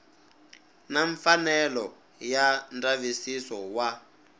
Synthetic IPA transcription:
naɱfanɛlɔ | jandavisisɔwa

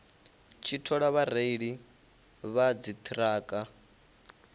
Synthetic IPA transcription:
t͡ʃʰitʰɔɺaβaɾeiɺi | βad͡zit̪ʰʼiɾaːkʼa

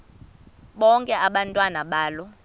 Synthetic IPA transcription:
ɓɔŋkʼɛʔaɓantʼwanaɓaːlɔ

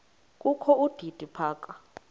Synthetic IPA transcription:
kʼukʰɔud̥ʱid̥ʱipʰaːk̬ʼa

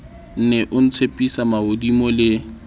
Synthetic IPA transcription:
n̩nɛʔʊn̩t͡sʰepʼisamaodimɔlɪ

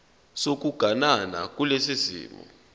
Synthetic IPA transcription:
sok̬uɡ̥ʱanana̰k̬ʼulesizḭːmɔ̰

